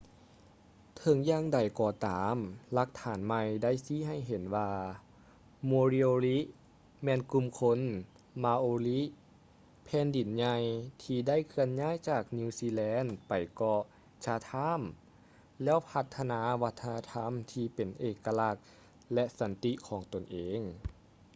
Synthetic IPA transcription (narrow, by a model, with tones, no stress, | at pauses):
t̪ʰɤ˨˦ŋjaː˧˨ŋda˨˩jkɔː˧t̪aː˩˦mla˧˦k̚t̪ʰaː˩˦nma˧jda˥˩˨jsiː˧˥ɦa˧˩jɦe˨˩˦nwaː˧ | moː˧li˧oː˧li˦˥ | mɛː˧˨nku˧˨mkʰo˧˥n | maː˧ʔoː˧li˦˥ | pʰɛː˧˥˨ndi˨˩˦nɲa˧jt̪ʰiː˧da˥˨jkʰɯ˧ənɲaː˥˨jt͡ɕaː˨˩k̚niː˧siː˧lɛː˧˥npa˨˩jkɔ˧˩ | t͡ɕa˧t̪ʰa˧˥˨m | lɛː˧˥˨wpʰa˧t̪ʰːa˧naː˧˦ʋa˧˥t̪ʰːa˧na˧t̪ʰa˧˥mt̪ʰiː˧pe˨˩nʔeː˧kːa˧la˧k̚ | lɛ˧sa˨˩˦nt̪i˧˥kʰɔː˨˦ŋt̪o˨˩nʔeː˨˧˦ŋ